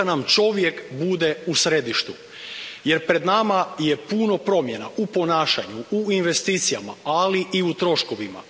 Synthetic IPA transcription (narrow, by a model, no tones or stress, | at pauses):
anamt͡ʃo̞ʋje̞kbud̪e̞usɾe̞d̪iʃt̪u | je̞ɾpɾe̞d̪namaje̞puno̞pɾo̞mje̞naʔupo̞naːʃaɲuuinʋe̞st̪iːt̪sijama̰aliiut̪ɾo̞ʃko̞ʋima̰